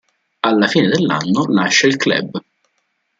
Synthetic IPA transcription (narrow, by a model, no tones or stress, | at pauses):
alːafiːned̪elːa̰nːonaʃːeilklɛ̰b